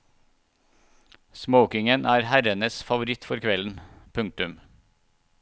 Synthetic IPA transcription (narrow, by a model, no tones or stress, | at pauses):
sməʊkɪŋənʔæːɾhæɾənəsfɑʋʊɾɪt̪fɔɾkʰʋɛln̩pʰʉŋk̚t̪ʉm